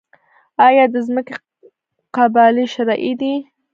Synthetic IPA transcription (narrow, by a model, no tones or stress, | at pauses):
ɑjɑd̪əzməke | qabɑliʃaɾɑʔid̪i